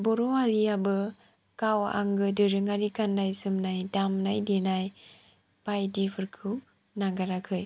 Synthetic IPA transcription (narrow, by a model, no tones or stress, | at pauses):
bɔɾoaɾiabɯ | kawa̰ŋɡɯdɯɾɯŋaɾikanːajsɯmnajdamnajdenaj | pajdipʰɯɾkʰɯw | naɡaɾakʰɯj